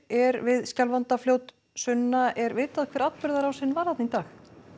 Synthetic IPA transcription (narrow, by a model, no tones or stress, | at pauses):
ɛɾvɪðscalvant̪afljowt̪ | sʏnːaʔɛɾvɪːt̪aðkʰvɛːɾat̪pʏɾðaɾawsɪnːvaɾ̥hat̪nit̪aːx